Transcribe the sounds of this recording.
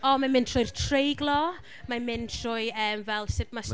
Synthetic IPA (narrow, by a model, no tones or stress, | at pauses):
ɔmanmɪntʰrʊjrtʰrejɡlɔ | mamɪntʰrʊɨəːmvɛlˠsɪtmas